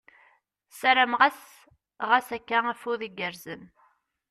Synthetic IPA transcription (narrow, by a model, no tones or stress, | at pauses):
sæɾæmʁæs | ʁasækːææfuðiɡəɾzən